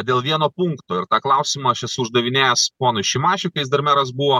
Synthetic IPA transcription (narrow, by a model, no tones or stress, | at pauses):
d̪ʲeːlˠʋʲiɛnoːpuŋkt̪oːɪɾt̪ɑːklˠɐʊsʲɪmɐʃʲɛsʊʒd̪ɐʋʲɪnʲeːjɛspoːnʊɪʃʲɪmɑːʃʲʊkɐɪsd̪ɐɾmʲɛɾɐsbuʋoː